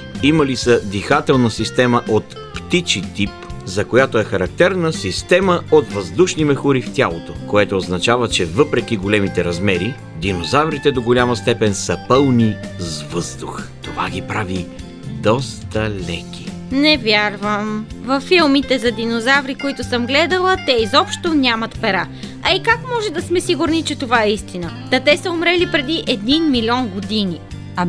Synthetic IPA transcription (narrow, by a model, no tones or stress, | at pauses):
imɐlisəd̪ixat̪ɛlˠnəsist̪ɛməʔot̪ | pt̪it͡ʃit̪ipzɐkojat̪oɛxɐɾɐk̚t̪ɛɾnəsist̪ɛməot̪vɐzd̪uʃnimɛxʊɾift̪ʲalˠot̪okoɛt̪oːznɐt͡ʃavət͡ʃɛvɤpɾɛk̟iɡolɛmit̪ɛɾɐzmɛɾi | d̪inozavɾit̪ɛd̪oɡolʲamɐst̪ɛpɛnsɐpɤlˠnizvɤzd̪uxt̪ova̰ɡʲipɾavi | d̪ɔst̪əlʲɛkʲi̥ | nɛvʲjaɾvəmvɐfːilˠmit̪ɛzɐd̪inozavɾikoit̪ʊsəmɡlɛd̪əlˠət̪ɛizɔpʃt̪onʲamɐt̪pɛɾaɐikakmɔʒɛd̪ɐsmɛsiɡʊɾnit͡ʃɛt̪ovaɛist̪inət̪ɐt̪ɛsəomɾɛlipɾɛd̪iʔɛd̪ninmilʲɔnɡod̪ini